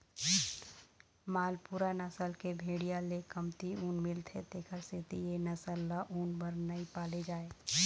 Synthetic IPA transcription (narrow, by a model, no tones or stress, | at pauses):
maːlpuːɾanɐsəlkebʱeːɽijalekɐmt̪iuːnmɪlt̪ʰet̪eːkʰəɾseːt̪ijenɐsəlːaʔuːnbɐɾnɐipaːled͡ʒaːeː